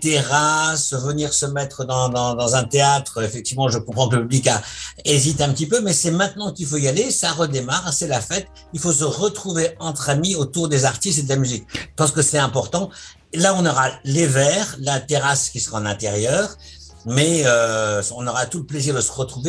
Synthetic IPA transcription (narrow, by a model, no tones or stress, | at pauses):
t̪eʁasəvəniʁsəmɛt̪χəd̪ɑ̃d̪ɑ̃d̪ɑ̃zɛ̃t̪eat̪χəefɛk̚t̪ivmɑ̃ʒəkɔ̃pχɑ̃kələpyblikaezit̪eɛ̃pət̪ipømɛsɛmɛ̃t̪nɑ̃kilfoijalesaʁəd̪emaʁsɛlafɛt̪ | ilfos̬əʁət̪χuveɑ̃t̪χamiot̪uʁd̪ezaʁt̪ist̪ed̪əlamyzikʒə̥pɑ̃s̬kəsɛt̪ɛ̃pɔʁt̪ɑ̃ | laɔ̃nɔʁalevɛːʁlat̪eʁaskʲisəʁaɑ̃nɛ̃t̪eʁjœːʁ | mɛøɔ̃nɔʁat̪uləpleziʁd̪əsəʁət̪χuve